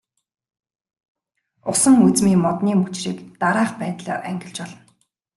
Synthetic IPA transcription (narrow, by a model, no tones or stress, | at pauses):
ʊsə̆ŋut͡smiːmɔt̪niːmut͡ɕriːkt̪aɾaːχpæːt̪ɮa̰ːrʔæŋɡʲɪ̆ɬt͡ɕpɔɮɞ̆n